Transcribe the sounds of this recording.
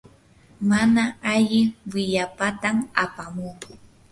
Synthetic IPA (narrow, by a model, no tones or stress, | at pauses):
manaaʎɪwɪʎapat̪amapamuː